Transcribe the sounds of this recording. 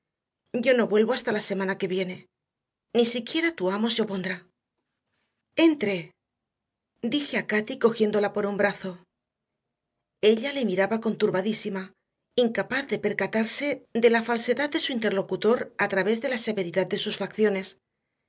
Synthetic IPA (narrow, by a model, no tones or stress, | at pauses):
ɟ͡ʝo̞no̞βwe̞lβo̞ast̪alase̞mãnake̞βje̞ne̞ | nisikje̞ɾat̪uamo̞seo̞po̞nd̪ɾa | e̞nt̪ɾe̞ | d̪ixe̞akat̪iko̞xje̞nd̪o̞lapo̞ɾumbɾaθo̞ | e̞ʎale̞miɾaβako̞nt̪uɾβaðisima | iŋkapaθðe̞pe̞ɾkat̪aɾse̞ðe̞lafalse̞ðaðd̪e̞suint̪e̞ɾlo̞kut̪o̞ɾat̪ɾaβe̞zðe̞lase̞βe̞ɾiðað̚d̪e̞susfakθjo̞ne̞s